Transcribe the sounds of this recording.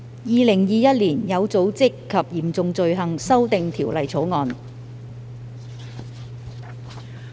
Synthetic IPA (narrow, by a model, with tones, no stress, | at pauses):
jiː˨˧lɪ˨˩ŋjiː˨˧jɐ˥t̚liː˨˩njɐ˨˧wt͡so˨˥wt͡sɪ˥kʰːɐ˨p̚jiː˨˩mt͡sʊ˨˧ŋt͡sɵ˨˧ɥɦɐ˨ŋsɐ˥wt̪ɪ˨ŋt̪ʰiː˨˩wlɐ˨jt͡sʰo˨˥wŋɔː˧n